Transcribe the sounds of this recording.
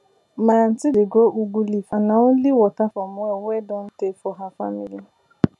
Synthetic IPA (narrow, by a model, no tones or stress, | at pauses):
man̩tɪdeɡoʔuɡulifanãon̩liwɔtafɔmʊ̃ɛwɛdɔn̩tefɔɦafamili